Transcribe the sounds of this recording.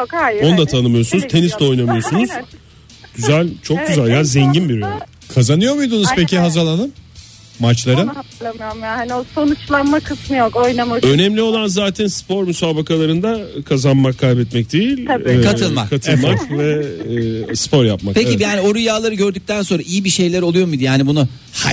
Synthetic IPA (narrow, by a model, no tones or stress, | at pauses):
jokhajonud̪at̪ʰanɯmɯjo̞sunuzt̪ʰe̞nist̪ɛo̞jnamɯjo̞sunuz̥ | ɟ̥yzælʲt͡ʃʰo̞k̚ɟyzælʲjaːnzɛɲɟinbiɾø | kʰazanɯjo̞ɾmujd̪unuz̥pʰecʰiɦazaɾlˠanɯm | mat͡ʃlˠaɾɯlˠamɯjoɾmjahanoso̞nut͡ʃlˠanmakʰɯsmɯjoko̞jnamaø̞nɛmlʲio̞lˠanzaːt̪ʰɛnspʰo̞ɾmysaːbakalˠaɾɯnd̪akʰazanmakʰːalʲbɛt̪mɛc̚d̪ejilʲkʰaɯlˠma̰kkʰat̪ʰɯmakvɛ | spʰo̞ɾjapmakpʰekijaːnio̞ɾujaːlˠaɾɯɡɟø̞ɾd̪yc̚t̪ʰænso̞nɾaʔijibiʃe̞jlʲæɾo̞lˠujo̞ɾmid̪ijaːnibunu | ha̰